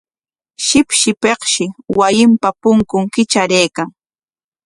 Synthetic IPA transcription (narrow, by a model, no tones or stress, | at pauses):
ʃɪpʃɪpekʃɪwajɪmpapʊŋkʊŋkɪt͡ʃaɾejkaŋ